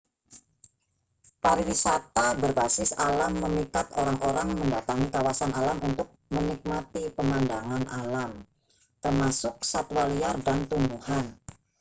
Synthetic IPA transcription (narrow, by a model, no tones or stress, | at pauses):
paɾiwisat̪abərbasɪsalamːəmikat̪̚oɾaŋʔoɾaŋməndat̪aŋikawasanʔalamunt̪ʊk̚mənik̚mat̪ipəmandaŋanalam | t̪ərmasʊk̚sat̪uwaliardant̪umbuhan